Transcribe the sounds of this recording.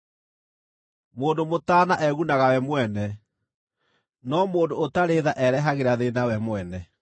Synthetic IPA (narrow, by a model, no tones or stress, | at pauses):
moːndomotaːnaʔɛɣunaɣawɛmwɛnɛ | nɔmoːndootaɾeːðaʔɛɾɛɦaɣeɾaðenawɛmwɛnɛ